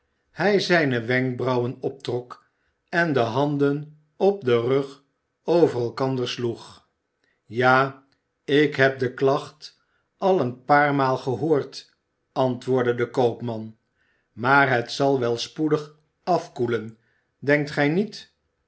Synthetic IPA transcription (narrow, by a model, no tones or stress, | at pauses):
hɛjzɛjnəʋɛŋk̚brɑwənɔp̚trɔk | ɛndəɦɑndən | ɔp̚dərøχ | owvərɛlˠkɑndəɹsluχ | jaː | ɪkɦɛp̚dəklɑχt | ɑlˠənpaːɹmaːlˠχəɦoːɹt | ʔɑntʋʊːɹdədəkowpmɑn | maːɹɦətsɑlˠʋɛlˠspudəχ | ɑfkulən | dɛŋk̚tχɛjnit